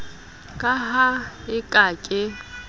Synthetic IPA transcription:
kʼaɦaɪkʼakʼɪ

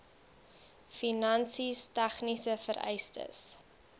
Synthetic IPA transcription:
finɐnsistɛχnisəfəɾɛ̰jstə̰s

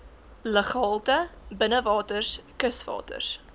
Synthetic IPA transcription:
ləχɑːlˠtəbənəvɑːtərskəsvɑ̰ːtə̰rs

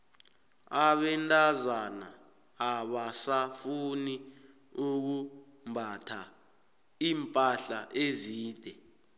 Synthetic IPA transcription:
aɓɛntʼazanaː | ɓasafuni | uk̬u | mbʱatʰa | iːmpʼaɬaʔeziːd̥ʱɛ

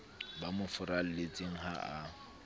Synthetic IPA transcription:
bamʊfʊɾal̩let͡sʼeŋ̩haa

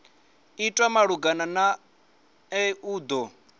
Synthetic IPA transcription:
itʼwamaɺuɡanana | ɛuːd̪ɔ

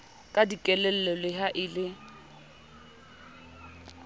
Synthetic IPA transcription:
kʼadikʼɛlɛl̩ɛlɪɦaʔɪlɪ

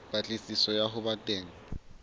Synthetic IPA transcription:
pat͡ɬʼisisɔjaɦʊbatʼeːŋ̩

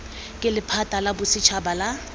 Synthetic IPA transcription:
kʼɪlɪpʰatʼalabʊsɪt͡ʃʰabala

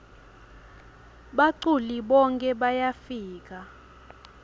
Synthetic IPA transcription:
ɓaǀuliɓɔŋkʼɛɓajafiːk̬ʼa

